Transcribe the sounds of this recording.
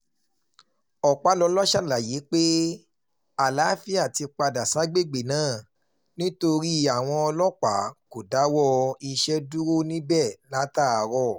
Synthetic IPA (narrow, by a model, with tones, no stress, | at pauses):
ɔ˨k͡pa˨˦lɔ˧˦lɔ˦ʃa˦˨la˨je˨˦k͡pe˦ | a˨la˨˦fi˦a˦˨ti˧k͡pa˧da˨sa˨˦ɡ͡be˦˨ɡ͡be˨nãː˦˨ | nĩ˦to˧ɾi˦a˨w̃ɔ̃˧ɔ˧lɔ˦k͡pa˨˦ko˨da˨˦wɔ˦i˧ʃɛ˦du˦ɾo˦˨nĩ˦bɛ˦˨la˨˦ta˦˨a˨ɾɔ˧˨